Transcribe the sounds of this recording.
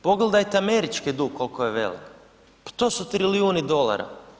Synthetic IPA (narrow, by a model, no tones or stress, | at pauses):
po̞ɡled̪ajt̪eameɾit͡ʃkid̪uɡkːo̞lkojeʋe̞̰lḭk | pḁt̪o̞ːsut̪ɾiliuːnid̪o̞lˠa̰ɾa̰